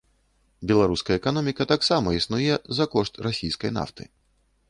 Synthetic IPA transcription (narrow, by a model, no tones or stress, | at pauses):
bʲɛlˠaɾuskɐjɐɛkanɔmʲikɐt̪aksamɐisnujɛzɐkɔʂt̪rasʲijskɐ̰jn̪a̰ft̪ɨ̰